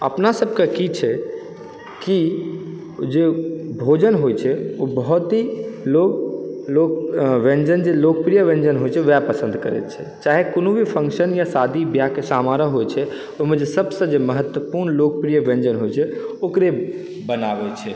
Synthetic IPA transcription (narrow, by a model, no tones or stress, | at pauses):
əpnasəbʱkekit͡ʃʰɛ | ki | d͡ʒebʱod͡ʒənɦojt͡ʃʰɛobəɦɔt̪ɦiloɡlokʋẽnd͡ʒənd͡ʒelok̚pɾijəʋẽnd͡ʒənɦojt͡ʃʰɛʋɛpəsə̃nd̪ʱkəɾɛ̰t̪t͡ʃʰɛ̰ | t͡ʃaɦekonobʱipʰə̃ŋkʃənjasad̪ʱibjakesamaɾəɦojt͡ʃʰɛ | oɦmẽd͡ʒesəbsə̃d͡ʒeməɦət̪wəpuɾnlok̚pɾijəʋẽnd͡ʒənɦojt͡ʃʰɛokɾe | bənabɛt͡ʃʰɛ